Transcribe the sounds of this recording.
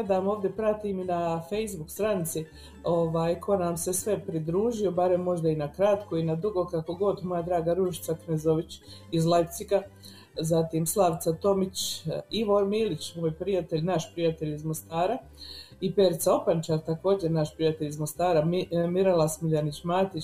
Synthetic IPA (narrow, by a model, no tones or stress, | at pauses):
ɡed̪amo̞ːvd̪je̞pɾat̪iminafejzbukst̪ɾanit̪si | o̞ʋaːjkʰo̞namse̞sʋe̞pɾid̪ɾuːʒio̞baɾe̞mːo̞ʒd̪ainakɾat̪koinad̪ɾuɡo̞kako̞ɡo̞d̪mo̞jad̪ɾaːɡaɾuʃi̥t̪saknezoʋit͡ɕizlˠajpt̪sika | zat̪iːmslˠaʋt̪sat̪o̞mit͡ʃiʋo̞ɾmiːlit͡ʃmoːjpɾijat̪e̞ʎnaʃpɾijat̪e̞ʎizmost̪aːɾa | ipeɾt̪sao̞pant͡ʃaːɾt̪ako̞ːd͡ʑeɾnaʃpɾijat̪e̞ʎizmost̪aːɾamiɾalˠasmiʎanit͡ɕmaːt̪it͡ʃ